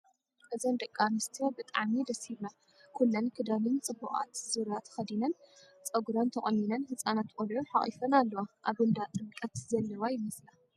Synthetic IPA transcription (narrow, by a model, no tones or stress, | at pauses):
ʔɨzɐnd̪ɐkʼːamɨst̪ʰijobɨt̪ʼaʕmid̪ɐsiβna | kʰulːɐnkʰɨd̪alɨnt͡sʼɨbːuχʼa̰t̪zuɾat̪ʰxɐd̪inɐn | t͡sʼɐɡuɾant̪ʰɐχʼɐnːinɐnhɨsʼanat̪kʼolʕoħaχʼḭfɐnalːɐwaʔaβɨnd̪at̪ʼɨkʼɐt̪zɐlːɐwajɪmɐsla